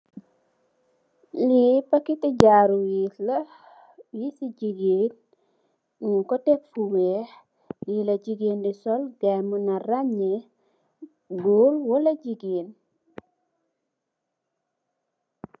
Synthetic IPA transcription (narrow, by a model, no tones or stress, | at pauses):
lipakitiɟaːɾuwilɐ | jisiɟiɡeːn | kɔtekfuwɛːh | lilɐɟiɡeːndisɔlɡamunaraɲe | ɡoːlwɔlɐɟiɡiːn